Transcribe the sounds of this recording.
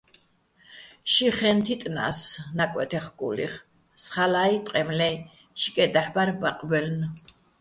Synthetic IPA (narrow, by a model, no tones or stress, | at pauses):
ʃiχɛnt̪ʰit̪ʼna̰snakʼwɛ̰t̪ʰɛχkʼṵlḭχ | sχalait̪ʼqʼɛmlɛ | ʃi̥kʼɛd̪aħbaɾbaqʼbɛln